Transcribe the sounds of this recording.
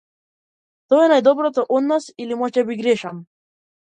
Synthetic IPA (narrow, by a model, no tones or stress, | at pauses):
t̪ɔɛnajd̪ɔbɾɔt̪ɔʔɔd̪nasilimɔʒc̪ɛbiɡɾɛʃam